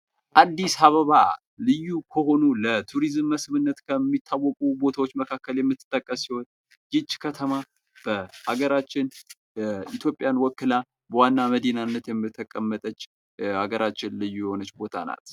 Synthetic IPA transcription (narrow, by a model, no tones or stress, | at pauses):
ʔad̪ːisaβəβa | lɨjːukʰəho̞nulət̪ʰuɾizɨmːəsβɨnːət̪kʰəmːit̪ʰːawːɔkʼubo̞t̪ʰawot͡ʃːməkʰakːəljɛmːɨt̪ʰːɨ̥t̪ʼːəkʼːəsːiho̞n | jɪt͡ʃːkʰət̪ʰəma | b̥əaɡəɾat͡ʃːɪn | it̪ʰjo̞pʼjanwɔkːɨla | bəwanːaməd̪inanːət̪jɛmːɨt̪ʰːəkʼəmːət̪ʼət͡ʃː | aɡəɾʔat͡ʃːɪnlɨjːujɛho̞nət͡ʃːbo̞t̪ʰa̰na̰t̪